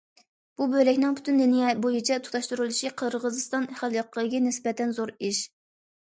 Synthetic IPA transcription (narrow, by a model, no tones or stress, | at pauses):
b̥ubøjlɛkʲnɪŋpʰy̥t̪ʰynd̪enjɛbojit͡ʃʰɛt̪ʰu̥t̪ɑʃt̪uɾulˠɨʃiqʰəɾʁəzɨst̪ɑnχælˠjɑqʰːəɡʲɛnɪsbɛt̪ɛnzoɾiʃ